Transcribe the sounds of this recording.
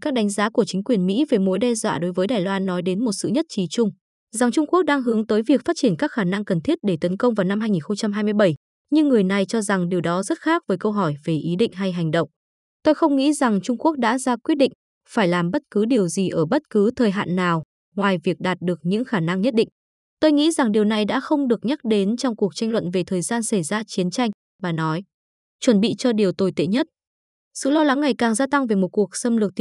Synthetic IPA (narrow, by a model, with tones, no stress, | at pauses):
kaː˦˥k̚ɗa˨˦ŋ̟zaː˨˦ku˧˩ət͡ɕï˨˦ŋ̟kwi˨˩ənmḭ˧˥ve˨˩jmo̰˧˥jɗɛ˧zwa̰ː˧˨ɗo˨˦jvəː˨˦jɗaː˨˩jlwaː˧nːɔ˨˦jɗe˨˦nmo˨˩t̚sɨ̰˧˨ɲə˦˥t̚t͡ɕi˨˩t͡ɕʊ˧ŋ͡m | za˨˩ŋt͡ɕʊ˧ŋ͡mku˦˥k̚ɗaː˧ŋɦɨ˨˦əŋt̪əː˨˦jvi˨˩ək̚faː˦˥t̚t͡ɕi˧˩ənkaː˦˥k̚xaː˧˩na˧ŋkə˨˩nt̪ʰi˦˥ət̚ɗe˧˩t̪ə˨˦nkə˧wŋ͡mvaː˨˩wna˧mɦaː˧jŋi˨˩nxə˧ŋ͡mt͡ɕa˧mɦaː˧jmɨ˧əjɓə˧˩j | ɲɨ˧ŋːɨ˨˩əjna˨˩jt͡ɕɔ˧za˨˩ŋɗi˨˩əwɗɔ˨˦zə˦˥t̚xaː˦˥k̚vəː˨˦jkə˧wɦɔ˧˩jve˨˩ʔi˨˦ɗḭ˧˨ŋ̟ɦa˧jɦa˨˩jŋ̟ɗə̰˧˨wŋ͡m | t̪o˧jxə˧wŋ͡mŋḭ˧˥za˨˩ŋt͡ɕʊ˧ŋ͡mku˦˥ək̚ɗa̰ː˧˥zaː˧kwi˦˥ət̚ɗḭ˧˨ŋ̟ | faː˧˩jlaː˨˩mɓə˦˥t̚kɨ˨˦ɗi˨˩əwzi˨˩ʔəː˧˩ɓə˦˥t̚kɨ˨˦t̪ʰəː˨˩jɦa̰ː˧˨nːaː˨˩w | ŋwaː˨˩jvi˨˩ək̚ɗaː˨˩t̚ɗɨ˨˩ək̚ɲɨ̰˧˥ŋxaː˧˩na˧ŋɲə˦˥t̚ɗḭ˧˨ŋ̟ | t̪o˧jŋḭ˧˥za˨˩ŋɗi˨˩əwna˨˩jɗa̰ː˧˥xə˧wŋ͡mɗɨ˨˩ək̚ɲa˦˥k̚ɗe˨˦nt͡ɕɔ˧wŋ͡mku˨˩ək̚t͡ɕa˧jŋ̟lwə̰˧˨nve˨˩t̪ʰəː˨˩jzaː˧nsa˧˩jzaː˧t͡ɕi˨˦ənt͡ɕa˧jŋ̟ | vaː˨˩nɔ˨˦j | t͡ɕwə˧˩nɓḭ˧˨t͡ɕɔ˧ɗi˨˩əwt̪o˧jt̪ḛ˧˨ɲə˦˥t̚ | sɨ̰˧˨lɔ˧wla˨˦ŋːa˨˩jkaː˨˩ŋzaː˧t̪a˧ŋve˨˩mo˨˩t̚ku˨˩ək̚sə˧mlɨ˨˩t̪